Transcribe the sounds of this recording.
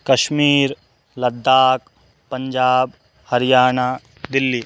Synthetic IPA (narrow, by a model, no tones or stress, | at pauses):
kɐʃmiːɾ | lɐd̪ːaːk | pɐ̃ɲd͡ʒaːb̚ | hɐɾjaːnaː | d̪ɪlːiː